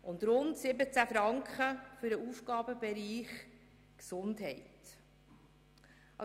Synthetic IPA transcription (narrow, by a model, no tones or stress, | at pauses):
ʔʊnd̪ɾʊntsɪbət͡sæfɾɑŋkχəfʏɾəuːfɡ̥ɑːbəbɛɾiːχ | ksʊndɦɛɪt | ɑ